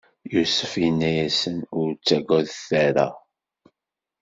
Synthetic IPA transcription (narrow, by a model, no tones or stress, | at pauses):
jusəfinːæjæsənʊɾt͡sːæɡʷæðθæɾæ̰